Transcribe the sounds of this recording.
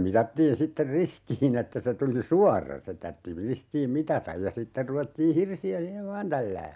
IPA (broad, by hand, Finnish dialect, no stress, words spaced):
mitɑtːiːn sitːer ristiːn etːæ se tuli suɑrːɑ se tɑrtːi ristiːm mitɑtɑj jɑ sitːer ruʋetːiː hirsiæ siːheʋ ʋɑːn tælːæː